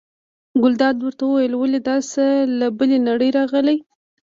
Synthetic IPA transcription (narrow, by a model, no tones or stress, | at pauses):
ɡʊld̪ɑd̪wəɾt̪awəwajəlwəled̪ɑsəlabəlenaɽəjɾɑɣəlaj